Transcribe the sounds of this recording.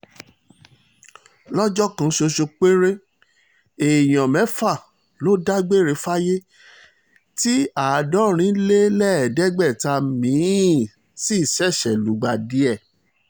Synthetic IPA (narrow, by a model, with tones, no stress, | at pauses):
lɔ˦d͡ʒɔ˦kã˧ʃo˧ʃo˧k͡pe˦ɾe˦ | e˨j̃ã˨mɛ̃˨˦fa˦˨ | lo˦da˦ɡ͡be˦˨ɾe˨˧˦fa˦je˦ | ti˦a˨dɔ̃˦ɾ̃ĩ˨˦le˦lɛ˦ɛ˨dɛ˦ɡ͡bɛ˦˨ta˧mĩ˨˦˨ | si˦˨ʃɛ˦˨ʃɛ˨lu˨˦ɡ͡ba˧di˨˦ɛ˦˨